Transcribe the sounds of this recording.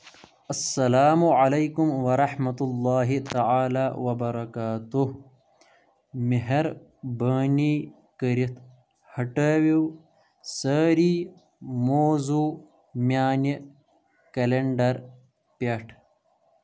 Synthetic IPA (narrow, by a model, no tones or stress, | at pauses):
ɐsːɐlaːmuʕalejkumwɐɾˤɑħmɐt̪ulːaːɦit̪aʕaːlaːwɐbɐɾˤɐkaːt̪uh | meɦɐɾ | bəːni | kəɾit̪ | hɐʈəːwiw | səɾiː | moːzu | mjaːni | kɐleɳɖɐɾ | paʈʰ